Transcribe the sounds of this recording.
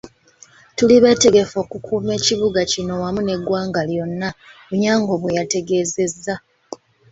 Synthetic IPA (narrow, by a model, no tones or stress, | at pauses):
tuliβe̞ːte̞ɡe̞fo̞ːkukʰuːme̞ːciβuɡacino̞wamune̞ɡwaːŋɡaljo̞nːaβuɲaːŋɡo̞βwejate̞ɡe̞ːze̞zːa